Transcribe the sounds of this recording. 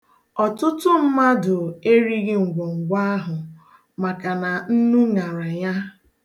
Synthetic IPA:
ɔ˨tʊ˦tʊ˦m̩˦ma˦dʊ˨e˦ɾi˦ɣɪ˦ŋ̩˨ɡʷo˨ŋ̩˨ɡʷa˦a˦ɦʊ˨ | ma˨ka˨na˨n̩˦nu˦ŋa˨ɾa˨ja˦

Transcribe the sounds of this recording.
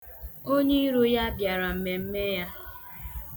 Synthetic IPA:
o˦ɲe˦i˦ɾo˦ja˦bja˨ɾa˨m̩˨me˨m̩˦me˦ja˦

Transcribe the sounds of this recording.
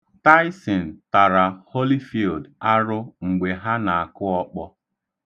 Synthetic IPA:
ta˦ɪ˦sɪ˨n̩˨ta˨ɾa˨ho˦li˦fi˨lda˦ɾʊ˦ŋ̩˨ɡ͡be˨ɦa˦na˨a˨kʊ˦ɔ˦k͡pɔ˦

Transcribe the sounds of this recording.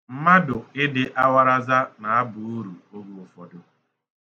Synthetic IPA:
m̩˦ma˦dʊ˨ɪ˦dɪ˦ʔa˦wa˦ɾa˦za˦na˨a˦bʊ˨u˦ɾu˨o˦ɡu˦ɔ˨fɔ˨dʊ˦

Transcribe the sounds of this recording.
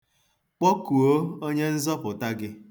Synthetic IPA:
k͡pɔ˦ku˨o˦o˦ɲe˦n̩˦zɔ˦pʊ˨ta˦ɡɪ˦

